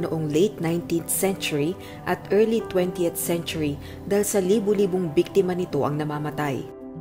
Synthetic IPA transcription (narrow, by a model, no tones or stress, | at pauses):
noʔoŋlejt̪̚najnt̪int̪sɛnt͡ʃʊɹi | ʔɐt̪ʔɛɹlit̪wɛnt̪iɛt̪sɛnt͡ʃʊɹi | d̪alsɐliːbʊliːboŋbik̚t̪ɪmɐnɪt̪o̞ʔɐŋnɐmaːmɐt̪aj